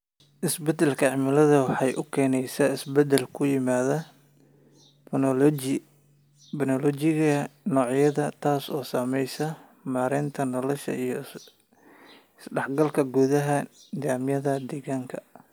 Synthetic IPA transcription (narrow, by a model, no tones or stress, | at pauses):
ʔɪsbɛd̪ɛlkʰɐʕɪmɪlɐðɐwɑħɑjʔʊkʰɛːnɛjsaɪsbɛd̪ɛlkʰʊjɪmaːðɐ | nɔlɔd͡ʒɪɣɐnɔːʕjɐðɐt̪ʰaːsɔ̰ːsaːmɛjsɐ | maːɾɛːnt̪ʰɐnɔlɔʃɐ̰ijɞ | ɪsɖɛħɡɐlkʰɐɡuːðɐɦɐnɪðaːmjɐðɐd̪ɛːɣaːŋkʰɐ̰